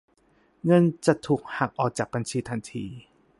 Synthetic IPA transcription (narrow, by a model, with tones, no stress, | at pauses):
ŋɤ˧nt͡ɕa˨˩t̪ʰuː˨˩k̚ha˨˩k̚ʔɔː˨˩k̚t͡ɕaː˨˩k̚ba˧nt͡ɕʰiː˧t̪ʰa˧nt̪ʰiː˧